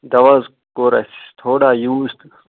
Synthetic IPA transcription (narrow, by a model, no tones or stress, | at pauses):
d̪ɐʋaz | koːɾɐ̰st̪ʰoːɽaːjuːst̪